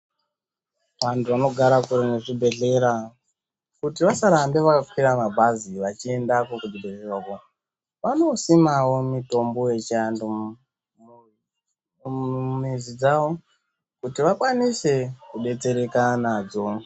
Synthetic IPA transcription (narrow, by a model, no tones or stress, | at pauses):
ʋantʰuʋano̞ɡʱaɾakuɾeneʐibʱe̞ɮe̞ɾa | kutiʋasaɾambeʋakap͡fkiɾamabʱaziʋat͡ʃie̞ndakokubʱebʱererwako | ʋano̞simawo̞mito̞mbo̞je̞t͡ʃiando | mizid͡zawo̞ | kutiʋakwanise̞kuɓe̞t͡se̞ɾe̞kanaːd͡zo̞